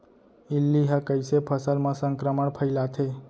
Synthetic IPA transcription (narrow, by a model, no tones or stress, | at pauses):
ilːiɦəkəjsepʰəsəlmãsə̃ŋkɾəməɳpʰəjlat̪ʰe